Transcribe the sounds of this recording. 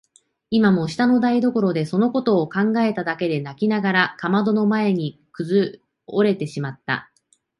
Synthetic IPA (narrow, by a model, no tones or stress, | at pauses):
imamo̞ɕi̥t̪ano̞d̪aid̪o̞ko̞ɾo̞d̪e̞so̞no̞ko̞t̪o̞ːkãŋɡae̞t̪ad̪ake̞d̪e̞nakʲinaɡaɾakamad̪o̞no̞mae̞ɲ̟ikɯ̟zɨ | oɾe̞t̪e̞ɕimat̪ːa̰